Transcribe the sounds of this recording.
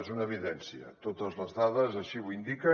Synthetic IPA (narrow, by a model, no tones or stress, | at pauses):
ezunəːβ̞iðɛnsiə̰t̪ot̪əzləzðaðəzəʃiβuind̪ikə